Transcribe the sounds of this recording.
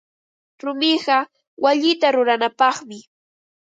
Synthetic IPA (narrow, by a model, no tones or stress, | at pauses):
ɾʊmɪɢɑ | waʎɪt̪aɾʊɾanapɑχmɪ